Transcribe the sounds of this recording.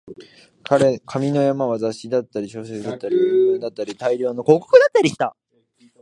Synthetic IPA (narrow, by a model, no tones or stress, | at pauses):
kʰaɾe̞kʰamʲino̞jamaβazaɕid̪at̪ːaɾʲiɕo̞ːs̬et͡sɨd̪at̪ːaɾʲiɯɯ̃nd̪at̪ːaɾʲit̪aiɾʲo̞ːno̞ko̞ːko̥kɯ̟d̪at̪ːaɾʲiɕi̥t̪a